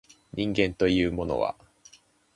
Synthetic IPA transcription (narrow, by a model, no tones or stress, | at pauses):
ɲʔĩŋɡẽ̞nt̪o̞jɯ̟ːmo̞no̞̰βa̰